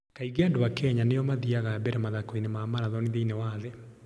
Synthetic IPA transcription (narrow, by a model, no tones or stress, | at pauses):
kaiɡadowakɛɲanejɔmaðiaɣabɛɾɛmaðakoinemaːmaɾaðɔniðeinewaðe